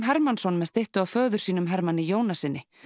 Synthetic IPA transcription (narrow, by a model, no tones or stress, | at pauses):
mɦɛɾmansɔnmɛðst̪eht̪ʏawfœːɣðʏɾ̥siːnʏmɦɛɾmanːɪjoːwnasɪnːɪ